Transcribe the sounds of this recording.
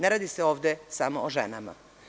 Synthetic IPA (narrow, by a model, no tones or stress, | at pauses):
neɾaːd̪iseo̞ːʋd̪esamoːʒḛnama̰